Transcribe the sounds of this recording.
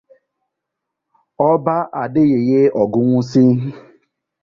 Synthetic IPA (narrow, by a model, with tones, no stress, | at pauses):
ɔ˦ba˦ʔa˨dɪ˦ɣe˨ɣe˦ɔ˨ɡʊ˦ŋʷʊ˦si˦